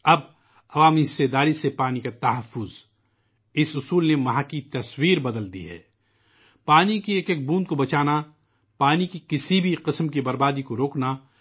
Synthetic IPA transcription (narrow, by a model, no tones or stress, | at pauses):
ɐb | ɐʋaːmiɦɪsːed̪aːɾisepaːnikat̪ɐɦəfːʊz | ɪsʊsuːlnemɐɦaːkit̪ɐswiːɾbɐd̪əld̪ḭɦɛ̰ː | paːnikieːkek̚bũːnd̪̚kobɐt͡ʃaːna | paːnikikɪsibʱiqɪsmkibɐɾbaːd̪ikoɾoːkna